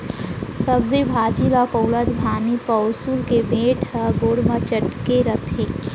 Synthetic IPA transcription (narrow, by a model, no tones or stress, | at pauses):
sɐbzebʱaːd͡ʒilapɐwləd̪bʱaːnipɐʊsulkebeːʈʰəɡoːɽmat͡ʃəʈkeɾɐt̪ʰeː